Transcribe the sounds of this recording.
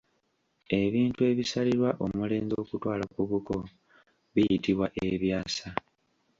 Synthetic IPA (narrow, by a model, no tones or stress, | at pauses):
e̞βiːntue̞ːβisaliɾwaʔo̞mule̞ːnzo̞ːkutwaːlakuβuko̞ | βijitiβwaʔeβjaːsa